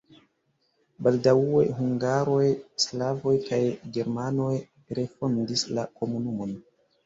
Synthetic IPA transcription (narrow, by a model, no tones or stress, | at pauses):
baldaue̞̰ɦuŋɡaɾo̞jslavo̞jkajɡe̞ɾmano̞j | ɾe̞fo̞ndislako̞munumo̞n